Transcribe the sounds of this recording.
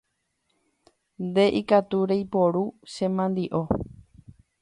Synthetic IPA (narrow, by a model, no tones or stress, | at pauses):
nd̪e̞ʔikat̪uɾe̞jpo̞ɾuʃẽ̞mãnd̪iʔo̞